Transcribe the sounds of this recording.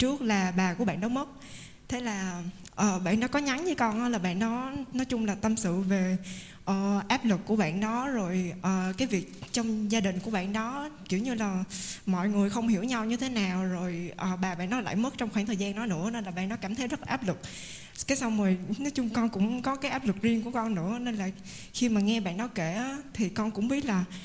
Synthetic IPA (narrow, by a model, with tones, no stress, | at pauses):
t͡ɕɨ˦˥ək̚laː˨˩ɓaː˨˩ku˧˩əɓ̰ːnːɔ˨˦mə˦˥t̚ | t̪ʰe˨˦laː˨˩ | ʔəː˨˩ɓa̰ː˧˨nː˨˦kɔ˨˦ɲa˨˦ŋvɨː˨˦kɔ˧nʔlaː˨˩ɓa̰ː˧˨nːɔ˨˦nɔ˨˦jt͡ɕʊ˧ŋ͡mlaː˨˩t̪ə˧msɨ̰˧˨ve˨˩ | ʔəː˨˩ʔaː˦˥p̚lɨ˨˩k̚kːu˧˩əɓa̰ː˧˨nɗɔ˨˦zo˨˩jʔəː˨˩kaː˨˦jvi˨˩ək̚t͡ɕɔ˧wŋ͡mzaː˧ɗï˨˩ŋ̟ku˧˩əɓa̰ː˧˨nɗɔ˨˦ki˧˩wɲɨ˧laː˨˩mɔ̰˧˨jŋɨ˨˩əjxə˧wŋ͡mhi˧˩əwɲa˧wɲɨ˧t̪ʰe˨˦naː˨˩wzo˨˩jʔəː˨˩ɓaː˨˩ɓa̰ː˧˨nːɔ˨˦la̰ː˧˨jmə˦˥t̚t͡ɕɔ˧wŋ͡mxwaː˧˩ŋt̪ʰəː˨˩jzaː˧nnɔ˨˦nɨ̰˧˥əne˧nlaː˨˩ɓa̰ː˧˨nːɔ˨˦kaː˧˩mt̪ʰə˨˦jzə˦˥t̚laː˨˩aː˦˥p̚lɨ˨˩k̚ | kaː˨˦jsa˧wŋ͡mməː˨˩jnɔ˨˦jt͡ɕʊ˧ŋ͡mkɔ˧nkʊ̰˧˥ŋ͡mkɔ˨˦kaː˨˦jʔaː˦˥p̚lɨ˨˩k̚zi˧əŋku˧˩əkɔ˧nːɨ̰˧˥əne˧nlaː˨˩ | xi˧maː˨˩ŋɛ˧ɓa̰ː˧˨nːɔ˨˦ke˧˩˨t̪ʰi˨˩kɔ˧nkʊ̰˧˥ŋ͡mɓi˦˥ət̚laː˨˩